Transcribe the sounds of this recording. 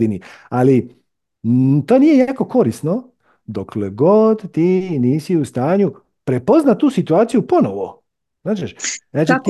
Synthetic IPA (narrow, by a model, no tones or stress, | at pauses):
iniali | t̪oːnije̞jaaːko̞ko̞ɾisno̞ | d̪okleɡod̪t̪iːniːsiust̪aːɲu | pɾe̞po̞znat̪uːsit̪uaːt̪sijuponoʋo̰ | znaːt͡ʃeʃzaːt͡ʃit̪